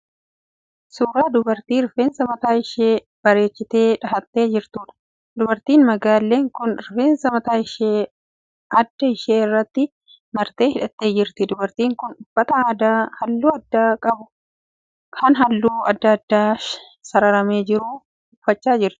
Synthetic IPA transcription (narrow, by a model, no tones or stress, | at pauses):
suːɾaːd̪ʊbɐɾt̪iːɾfeːnsɐmɐt̪aːɪʃeː | b̥ɐɾe̞ːt͡ʃːɪt̪e̞ːᶑɐɦɐt̪ːe̞ːd͡ʒɪɾt̪uːᶑɐ̥ | d̪ʊbɐɾt̪iːnmɐɡaːlːe̞ːŋkʊnɾfe̞ːnsɐmɐt̪aːɪʃeː | ɐd̪ːɐɪʃeːɪrːɐt̪ːɪ | mɐɾt̪e̞ːhɪᶑɐt̪ːe̞ːd͡ʒɪɾt̪ɪd̪ʊbɐɾt̪iːŋkʊnᶑʊb̥ːɐt̪ɐaːd̪aːhɐlːuːɐd̪ːaːkʼɐbʊ | kʰɐnɦɐlːuːɐd̪ːɐɐd̪ːaː | sɐɾɐɾɐme̞ːd͡ʒɪɾuː | ʊfːɐt͡ʃːaːd͡ʒɪɾt̪ɪ̥